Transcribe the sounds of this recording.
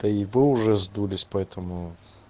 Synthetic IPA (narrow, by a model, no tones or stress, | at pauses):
d̪̥ɐiʋɪʊʐɛzd̪ulʲɪsʲpɐɛt̪ɐmʊ